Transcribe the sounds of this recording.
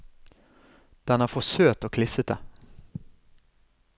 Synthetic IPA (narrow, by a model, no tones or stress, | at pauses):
d̪̥anafoːsøːt̪ɔkʰlɪsət̪a